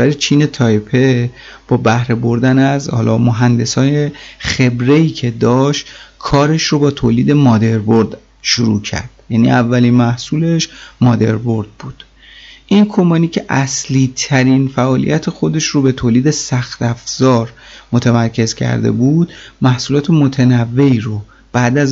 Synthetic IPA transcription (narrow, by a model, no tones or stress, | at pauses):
æɾet͡ʃʰiːne̞t̪ʰɒːjpʰe̞ | b̥ɒːbæhɾe̞bo̞ɾd̪ænæzhɒ̰lɒːmoɦænd̪e̞sɒːjeχe̞bɾe̞iːcʰe̞d̪ɒːʃt̪kʰɒːɾe̞ʃrobɒːt̪ʰoːliːd̪e̞mɒːd̪e̞ɾboɾd̪ | ʃuɾṵːcʰæ̰ɾd̪̥jænḭːævːælinmæhsuːle̞ʃmɒːd̪e̞̰ɾbo̞ɾd̪̥̚buːd̪̥ | ʔinkʰo̞mbɒːniːcʰe̞ʔæsliːt̪ʰæɾinfæʔɒːlḭjʔæt̪ʰe̞xo̞d̪e̞ʃrobe̞t̪ʰoːliːd̪e̞sæxt̪æfz̥ɒːɾmot̪ʰemæɾcʰe̞zcʰæ̰ɾd̪ḛbuːd̪mæhsuːlɒːt̪ʰe̞mot̪ʰenævːe̞iɾo | b̥æʔd̪æz